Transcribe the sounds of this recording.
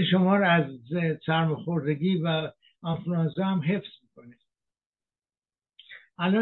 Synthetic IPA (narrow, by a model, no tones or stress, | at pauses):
eʃomɒːɾæzsæɾmoxoɾd̪eɡiːvæ | ɑnfluɑnsɒhæmɦe̞fz̥miːko̞ne | ʔælɒ